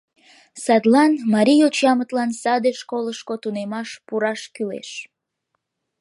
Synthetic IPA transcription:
sɑd̪lɑnmɑɾʲijot͡ɕɑmət̪lɑnsɑd̪eʃkoləʃkot̪unemɑʃpuɾɑʃkylḛʃ

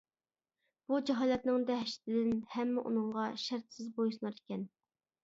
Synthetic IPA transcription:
b̥ud͡ʒɛɦɑːlɛt̪̚nɪŋd̪ɛɦʃt̪ʰɪd̪ɪnhɛmːɪʔṵnɨŋʁɑʃæɾt̪sɪzbojsnɑɾɪ̥kʲɛn

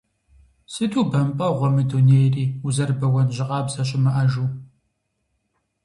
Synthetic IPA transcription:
sɨtʰuːbɐmpʼɐʁʷɔmɨduneːjriːuzɐrbɐwɐnʑɪqʼɑːbzɐɕʼɪmɨʔɐʒuː

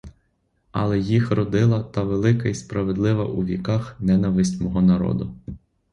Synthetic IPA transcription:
ɐ̰lˠɛjixrɔd̪ɪlˠɐt̪ɐʋelˠɪkɐispɾɐʋed̪lˠɪʋɐ̰ʔuʋʲikɑxnɛnɐʋɪsʲtʲmɔɦɔnɐɾɔ̰d̪ʊ

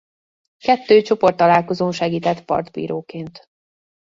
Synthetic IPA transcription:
kɛt̪ːøːt͡ʃo̞po̞rt̪ːɒlaːlko̞zoːnʃɛɡiːt̪ɛt̪ːpɒ̰rd̪bḭːɾoːkeːnt̪

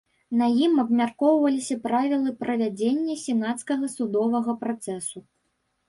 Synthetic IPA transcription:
nɐjimɐbmʲarkɔwvɐlʲisʲɐpɾavʲilˠɨpɾʔɐvʲad͡zʲenʲːɐsʲɛnat̪skɐɣɐsud̪ɔvɐɣɐpɾat̪sɛsu

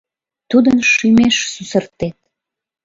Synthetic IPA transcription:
t̪ud̪ənʃymeʃsusərt̪et̪̚

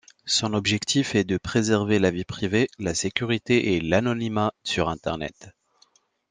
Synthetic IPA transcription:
sɔ̃nɔbʒɛkt̪ifɛd̪əpχezɛʁvelavipχivelasekʲyʁit̪eʔelanɔnimasyʁɛ̃t̪ɛ̰ʁnɛ̰t̪

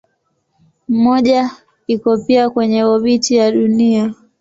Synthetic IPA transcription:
m̩mɔʄa | ikɔpiakwɛɲɛɔɓitijaɗunia

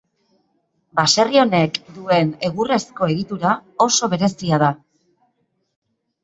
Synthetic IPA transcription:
base̞rio̞ne̞kd̪ue̞ne̞ɣure̞sko̞e̞ɣit̪uɾao̞so̞β̞e̞ɾe̞siaða

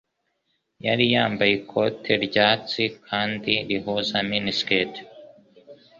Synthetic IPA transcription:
jaɾijaːmbajikʰotʰeɾɟaːt͡sikʰaːndiɾihuzaminisket

